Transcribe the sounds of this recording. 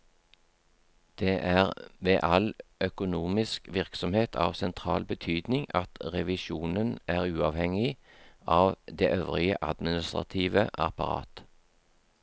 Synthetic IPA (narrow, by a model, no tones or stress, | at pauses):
d̪̥eːʔæːʁʋḛːʔɑlœkʊnuːmɪskʋɪʁksɔmheːt̪ʰɑ̰ːʋsɛnt̪ʰʁɑ̰ːlbət̪ʰyːd̪nɪŋɑt̪ʁɛʋɪʃuːnənʔæːʁʉːɑːʋhɛŋɪʔɑːʋd̪eːʔøːʋʁɪə̰ʔɑd̪mɪnɪst̪ʁɑ̰t̪ʰiːʋəʔɑ̰pɑʁɑ̰ːt̪